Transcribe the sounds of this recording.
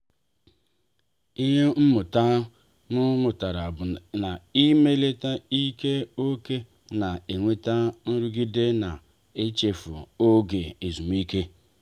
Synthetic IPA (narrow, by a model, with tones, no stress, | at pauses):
i˦ɦe˦m̩˦mʊ˨ta˦ | nʊ˦mʊ˨ta˨ɾa˨bʊ˨na˨i˦me˦le˦ta˦i˦ke˦o˦ke˦ | na˨e˨ŋʷe˦ta˦n̩˦ɾu˦ɡi˦de˦na˨ | e˦t͡ʃe˨fʊ̰˨o˦ɡe˨e˨zu˨m˦i˦ke˦